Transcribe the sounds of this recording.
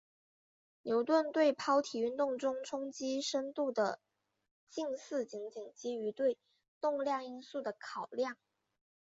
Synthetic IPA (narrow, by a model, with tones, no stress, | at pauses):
njo˧˥ʊt̪wə˥˧nt̪we˥˩ɪpʰɑ˥ʊt̪ʰi˨˩y˥˧nt̪ʊ˥˩ŋʈ͡ʂʊ˥ŋʈ͡ʂʰʊ˥ŋt͡ɕi˥ʂə˥nt̪u˥˩d̪ə˩ | t͡ɕi˥˧ŋsɹ̩˥˩t͡ɕi˧˥ŋt͡ɕi˨˩˦ŋt͡ɕi˧˥y˧˥t̪we˥˧ɪ | t̪ʊ˥˧ŋljɑ˥˩ŋi˥nsu˥˩d̪ə˩kʰɑ˨˩ʊljɑ˥˩ŋ